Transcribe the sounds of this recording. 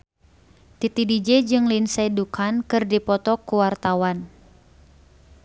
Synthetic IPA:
t̪it̪idid͡ʒɛd͡ʒɨŋlinsadukʰankɨrdipɔt̪ɔkuwart̪awan

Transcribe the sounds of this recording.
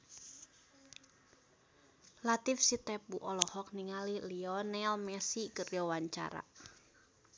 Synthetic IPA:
lat̪ifsit̪ɛp̚uʔɔlɔhɔk̚niŋaliliɔnɛlmɛsikərjɔwaɲt͡ʃa̰ɾa̰

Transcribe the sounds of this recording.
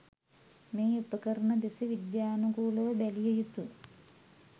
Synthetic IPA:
meːupɐkɐɾɐɳɐd̪isiʋid̪jaːnuɡuːɭɐʋɐbelijɐjut̪ːu

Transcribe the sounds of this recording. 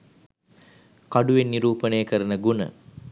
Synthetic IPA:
kaɖuʋenːiɾuːpənejːkəɾənəɡunə̰

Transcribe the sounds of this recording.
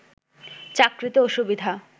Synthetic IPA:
t͡ɕakɾit̪ooʃubid̪ʱa

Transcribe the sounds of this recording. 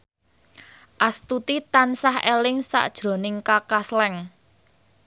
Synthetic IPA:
ʔast̪ut̪it̪ansahelɪŋsa̰ʔd̥ʒ̥ɾo̤nɪŋkakaslɛŋ

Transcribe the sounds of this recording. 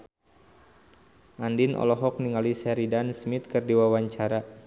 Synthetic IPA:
ʔandinʔɔ̰lɔɦɔk̚niŋalisɛɾidansmit̪̚kɨrdiwawaɲt͡ʃaɾa

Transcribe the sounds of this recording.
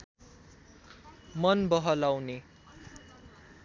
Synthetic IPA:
mʌnbʌɦʌlawne

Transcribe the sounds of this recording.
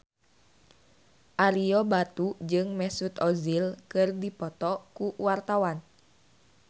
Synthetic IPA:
ʔaɾiɔbat̪ud͡ʒɨŋmɛsut̪ɔzilkɨrdipɔt̪ɔkuwart̪awan

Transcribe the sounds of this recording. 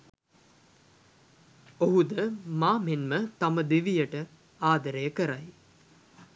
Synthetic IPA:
oɦud̪əmaːmenmət̪aməd̪iʋijəʈə | aːd̪əɾəjəkəɾaj

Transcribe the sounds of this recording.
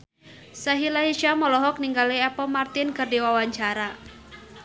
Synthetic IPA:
saɦilaɦiʃamɔlɔɦɔk̚niŋɡaliɛpɔmart̪ɪnkɨrdiwawaɲt͡ʃaɾa

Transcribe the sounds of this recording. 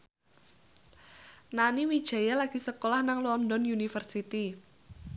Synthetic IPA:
naniwid̥ʒ̥ä̤jalaɡ̥i̤səkolahnaŋlɔndɔnjunifərsit̪i

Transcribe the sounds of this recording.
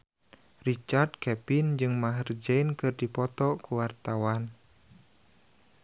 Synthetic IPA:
rit͡ʃard̪̚kɛpind͡ʒɨŋmaɦərd͡ʒɛinkɨrdipɔt̪ɔkuwart̪awan

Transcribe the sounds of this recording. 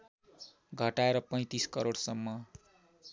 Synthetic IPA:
ɡʱʌʈaeɾʌpʌj̃t̪iskʌɾoɽsʌmːʌ

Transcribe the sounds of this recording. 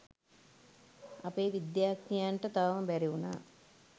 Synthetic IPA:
apeːʋid̪jaːknijaɳʈət̪aʋɐməbæɾiuna̰ː

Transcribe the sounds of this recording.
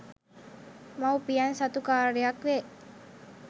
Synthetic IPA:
mawpijansat̪ukaːɾɾejakʋe

